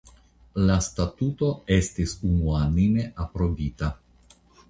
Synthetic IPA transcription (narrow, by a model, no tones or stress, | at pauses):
lastatuto̞e̞stisunuanime̞ʔapɾo̞vita